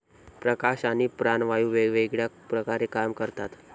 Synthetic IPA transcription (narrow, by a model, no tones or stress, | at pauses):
pɾəkaɕañipɾanʋajuʋeʋeɡɭjakpɾəkaɾekamkəɾt̪at̪